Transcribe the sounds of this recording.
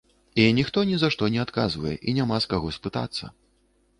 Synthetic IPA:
inʲixt̪ɔnʲizaʂt̪ɔnʲɛat̪kazvɐjɛ̰ʔinʲamaskaɣɔsʲpɨt̪a̰t̪sːɐ̰

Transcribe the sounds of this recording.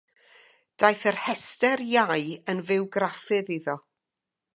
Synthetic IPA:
d̥ajθərhɛstɛrjajənvɪwɡɾafɨðiðɔ

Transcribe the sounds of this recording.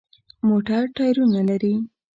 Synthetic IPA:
moʈaɾʈɑjɾunalaɾi

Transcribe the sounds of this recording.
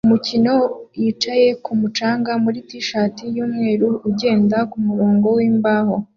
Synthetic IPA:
umucino̞jit͡ʃaje̞kumut͡ʃaːŋɡamuɾitiʃaːtijuːmŋe̞ːɾuuɟe̞ːndakumuɾo̞ːŋɡo̞wiːmbaːho̞

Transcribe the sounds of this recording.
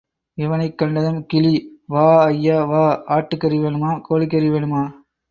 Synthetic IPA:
ɪʋɐnɐɪkːɐɳɖɐðɐmkɪliʋaːɐjːaːʋaːaːʈːɯkːɐɾiʋeːɳɯmaːkoːlɪkːɐɾiʋeːɳɯmaː

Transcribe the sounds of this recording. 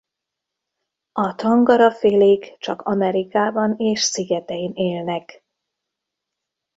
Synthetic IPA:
ɒt̪ɒŋɡɒɾɒfeːleːkt͡ʃɒkɒmɛɾikaːbɒneːʃsiɡɛt̪ɛjineːlnɛk

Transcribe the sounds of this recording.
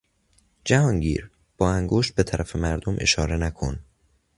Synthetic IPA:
d͡ʒæhɒːŋɟḭːɾ | b̥ɒːæŋɡoʃt̪̚be̞t̪ʰæɾʔæfe̞mæɾd̪omʔe̞̰ʃɒːɾe̞nækʰo̰n

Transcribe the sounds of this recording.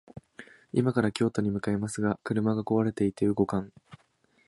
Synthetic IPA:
ḭmakaɾakʲo̞ːt̪o̞ɲ̟imɯ̟kae̞masɨɡakɯ̟ɾɯ̟maɡako̞βaɾe̞t̪e̞it̪eɯ̟ɡo̞kãŋ

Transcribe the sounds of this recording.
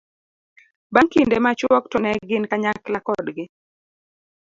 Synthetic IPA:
baŋkindemat͡ʃwɔktɔnɛɡɪnkaɲaklakɔdɡɪ

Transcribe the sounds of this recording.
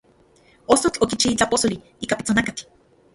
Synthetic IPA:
osot͡ɬokit͡ʃiit͡ɬaposoli | ikapi̥t͡sonakat͡ɬ

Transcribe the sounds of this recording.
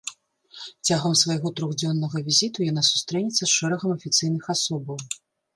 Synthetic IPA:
t͡sʲaɣɐmsvɐjɣɔt̪ɾɔɣd͡zʲɔnːɐɣɐvʲizʲit̪ujanasu̥st̪ɾɛnʲit̪sːɐsʂɛɾɐɣɐmɐfʲit̪sɨjnɨxasɔbɐw

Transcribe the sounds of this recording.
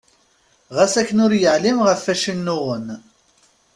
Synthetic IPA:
ʁæsækːənʊɾjəʕlimʁəfːæʃinːʊʁən

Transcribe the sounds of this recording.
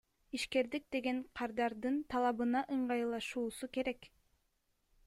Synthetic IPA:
iʃke̞ɾd̪ik̚d̪e̞ɡe̞ɴqʰɑɾd̪ɑɾd̪ɯnt̪ʰɑlˠɑβɯnɑʔɯɴɢɑjlˠɑʃuːsuke̞ɾek

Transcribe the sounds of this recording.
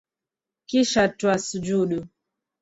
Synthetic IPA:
kiʃatwasud͡ʒuɗu

